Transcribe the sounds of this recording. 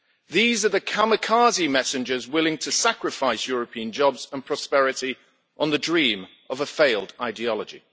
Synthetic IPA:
ðiːzəðəkʰaməkʰɑːzimɛsɪ̃nd͡ʒəzwɪlɪ̃ŋtʰəsakɹɪfaɪsjɔːɹəpʰĩə̃nd͡ʒɒbz̥ə̃npʰɹ̥ɒspɛɹɪti | ʔə̃nðədɹĩːm | ʔəvəfeɪlˠdaɪdiɒlˠəd͡ʒḭ

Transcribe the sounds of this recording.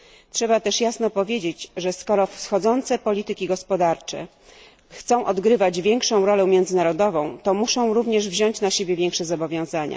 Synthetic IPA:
tʂɛbat̪ɛʂjasnɔpɔvʲjed͡ʑed͡ʑʐɛskɔɾɔfsxɔd̪zɔnt̪sɛpɔlʲit̪ɘkʲiɡɔspɔd̪aɾt͡ʂɛ̰ | xt̪sɔ̃w̃ʔɔd̪ɡɾɘvad͡ʑvʲjɛŋkʂɔ̃w̃ɾɔlɛ̃mʲjɛnd̪zɘnaɾɔd̪ɔvɔ̃w̃t̪ɔmuʂɔ̃w̃ɾuvɲɛʐvʑɔɲt͡ɕnaɕebʲjɛvʲjɛŋkʂɛzɔbɔvʲjɔ̃w̃zaɲa̰

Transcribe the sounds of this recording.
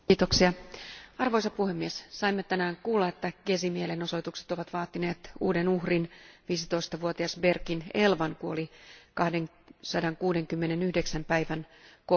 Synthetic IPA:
iːt̪oksiɑɑrʋo̞jsɑpuhe̞mːiessɑimːet̪ænæːŋkuːlːɑe̞t̪ːæɡesimieleno̞so̞it̪ukset̪o̞ʋɑt̪ʋɑːt̪ːine̞ːt̪ṵːde̞nuhrinʋiːsit̪o̞ist̪ɑʋuot̪iɑsbe̞rkinelʋɑnkuo̰likɑhde̞ŋ | sɑdɑŋkuːde̞ŋkymːene̞nyhdeksæmpæjʋænko

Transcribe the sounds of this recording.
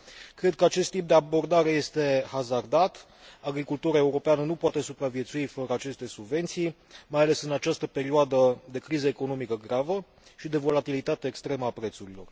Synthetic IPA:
kɾe̞d̪̚kəat͡ʃe̞st̪ːip̚d̪e̞abo̞rd̪aɾe̞je̞st̪e̞hazard̪at̪ | aɡɾikult̪uɾae̞uɾo̞peanənupoat̪e̞supɾavjet̪suifəɾəat͡ʃe̞st̪e̞subve̞nt̪sij | majale̞sɨnat͡ʃast̪əpe̞ɾioad̪əd̪e̞kɾizəeko̞no̞mikəɡɾavə | ʃid̪e̞vo̞lat̪ilit̪at̪eːkst̪ɾe̞məapɾe̞t̪suɾilo̞̰r

